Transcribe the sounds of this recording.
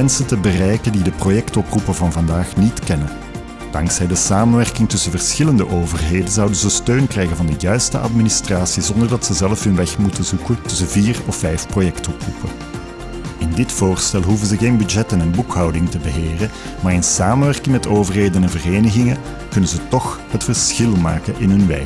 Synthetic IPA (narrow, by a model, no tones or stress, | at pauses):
ɛnsəntəbərɛjkəndidəprojɛktɔprupəvɑnvɑndaːxnitkɛnə | d̥ɑŋksɛjdəsaːmənʋɛrkɪŋtʏsənvərsxɪləndəʔoːvərɦeːdənzʌwdənzəstøːnkrɛjɣənvɑndəjœɥstə̰ʔɑ̰tministraːsizɔndərdɑtsəzɛlfɦɵnʋɛxmutəzukəntɵsənviːrɔfːɛjfprojɛktɔprṵpə | ɪndɪtfoːrstɛlˠɦuvənzəɣeːnbyd͡ʒɛtənənbukɦɑwdɪŋtəbəɦeːrə | maːrɪnsaːmənʋɛrkɪŋmɛtoːvərɦeːdənɛnvəreːnəɣɪŋə | kɵnənzətɔxhətfərsxɪlˠmaːkəʔɪnɦɵnʋɛ̰jk